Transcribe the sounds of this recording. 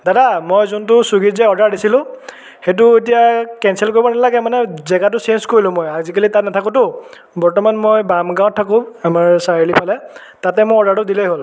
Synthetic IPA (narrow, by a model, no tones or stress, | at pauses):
dadamojzʊnt̬ʊsuɡizɛɔdaɹdisilʊ̃ | xetʊet̬ijakɛnsɛlkoɹibɔnalaɡɛmanɛzɛɡat̬ʊsenskoɹilʊ̃mojazikalitat̚natʰakʊ̃tʊ | bɔɹtɔmanmojbamɡãw̃tʰːakʊ̃amaɹsaɹlipʰalɛ | tatɛmʊɔdaɹtʊdilejɦol